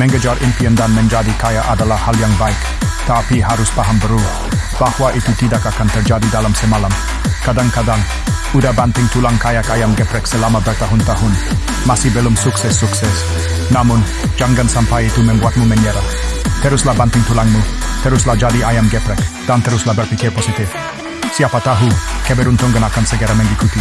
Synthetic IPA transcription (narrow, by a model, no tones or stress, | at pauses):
mɛ̃ŋɡəd͡ʒarʔɪnpiəndanmɛnd͡ʒadikajaʔadalahhaljaŋbaɪk | t̪apiɦaɾʊspaɦambəɾur | b̥ahwaʔit̪ut̪idakakant̪ərd͡ʒadidalamsəmalam | kadaŋkadaŋ | udabant̪ɪŋt̪ulaŋkajakajamɡɛpɾɛksəlamabərt̪aɦʊnt̪aɦʊn | masibɛlɔmsʊksɛsːuksɛs | namʊn | d͡ʒaŋɡansampajit̪umɛmbuat̪̚mumɛnɛɾaht̪əɾʊslabant̪ɪŋt̪ulaŋmut̪əɾʊslad͡ʒadiajamɡɛpɾɛkd̥ant̪əɾʊslabərfikɪrpɔsit̪ɪf | siapat̪aɦukɛbɛɾunt̪ɔŋɡənakansəɡɛɾamɛŋɡikut̪i